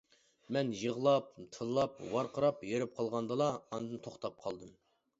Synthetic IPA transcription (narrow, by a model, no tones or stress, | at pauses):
mɛnjəʁlˠɑp̚t̪ʰɨllˠɑp̚wɑɾqəɾɑpjøɾɪp̚qʰɑlˠʁɑnd̪ɨlˠɑɑnd̪ɨnt̪ʰoχt̪ʰɑp̚qʰɑlˠd̪ɨm